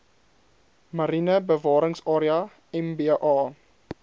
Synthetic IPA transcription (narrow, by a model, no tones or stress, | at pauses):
mɐɾinəbəvɑːɾəŋsɑːɾiɐ | ɛmbeʔɑː